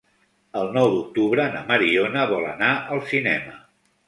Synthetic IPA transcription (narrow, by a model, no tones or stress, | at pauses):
əlˠnɔwd̪uk̚t̪uβɾənə̰məɾionəβɔlə̰naʔəlˠsinɛmə